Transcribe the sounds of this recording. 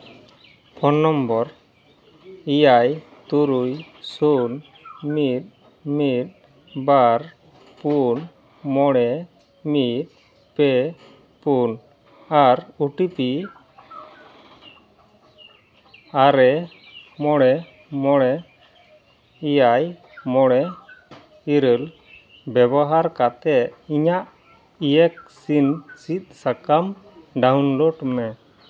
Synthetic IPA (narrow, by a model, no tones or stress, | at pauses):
pʰɔnːɔmbɔɾ | ijajt̪uɾuj | sun | mit̪̚ | mit̪̚ | baɾ | pun | mɔɽ̃ɛ | mit̪̚ | pɛ | pun | aɾuʈipi | aɾɛ | mɔɽɛ | mɔɽɛ | ijaj | mɔɽɛ | iɾəl | bɛbɔɦaɾkat̪ɛt̪̚iɲaʔ | ijɛk̚sinsit̪̚sakam | ɖawnloɖmɛ